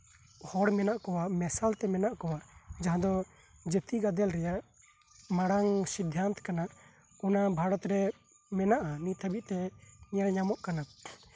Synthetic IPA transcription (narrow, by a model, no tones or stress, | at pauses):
hɔɽmɛnaʔkɔwaʔmɛsalt̪ɛmɛnaʔkɔwaʔd͡ʒaɦãd̪ɔ | d͡ʒət̪iɡad̪ɛlɾɛjaʔ | maɽaŋsid̪ʱjant̪kanaʔ | unabʱaɽɔt̪ɾɛ | mɛnaʔanit̪ʰəbiʔ̪̚t̪ɛɲɛɾɲamɔʔkana